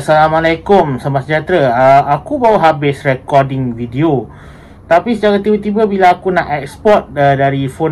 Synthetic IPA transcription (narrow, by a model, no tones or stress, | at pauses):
salamalakʊmsamasəd͡ʒat̪ɾəəakubawəɦabɪsrɛkɔdɪŋvideo | t̪apisət͡ʃaɾat̪ibat̪ibəbilaːkunaʔɛkspɔt̪̚ədaɾifon